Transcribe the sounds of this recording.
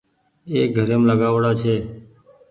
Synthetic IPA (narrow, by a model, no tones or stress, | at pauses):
eːɡʱəɾemləɡaʋɽat͡ʃʰeː